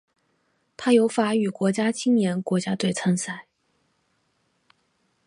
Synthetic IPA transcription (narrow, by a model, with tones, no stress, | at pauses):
t̪ʰa˥jo˧˥ʊfa˧˥y˨˩kwɔ˧˥t͡ɕja˥t͡ɕʰi˥ŋnjɛ˧˥nkwɔ˧˥t͡ɕja˥t̪we˥˩ɪt͡sʰə˥nsa˥˩ɪ